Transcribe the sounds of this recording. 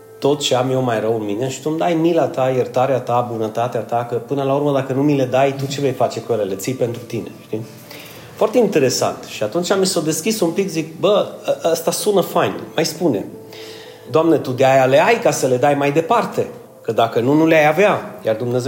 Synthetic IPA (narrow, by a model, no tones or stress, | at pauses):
t̪o̞t̪̚t͡ʃeamjewmajrəwɨnmine̞ʃi̥t̪umd̪ajmilat̪ajert̪aɾeat̪abunət̪at̪eat̪akəpɨnəlauɾməd̪akənumile̞d̪ajt̪ut͡ʃe̞ve̞jfat͡ʃe̞kujelelet̪sijpe̞nt̪ɾut̪ine̞̰ʃt̪i | foart̪e̞int̪e̞ɾe̞sa̰nt̪ʃiat̪unt͡ʃamiso̞d̪e̞skʲisumpikzik̚bəʔəst̪asunəfajnmajspune̞̰ | d̪oamnet̪ud̪eajale̞ajkasəle̞d̪ajmajd̪e̞part̪e̞ | kəd̪akənunuleajaveajard̪umne̞ze